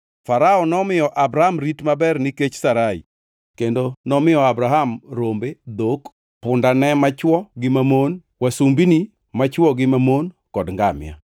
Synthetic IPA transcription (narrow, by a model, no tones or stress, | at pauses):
faɾaɔnɔmɪjɔʔabɾaamɾitmabɛrniket͡ʃsaɾaḭ | kendonɔmɪjɔabɾaɦamɾombed̪ok | pʊndanɛmat͡ʃwɔɡɪmamon | wasumbini | mat͡ʃwɔɡɪmamon | kɔdŋɡamɪ̰ja̰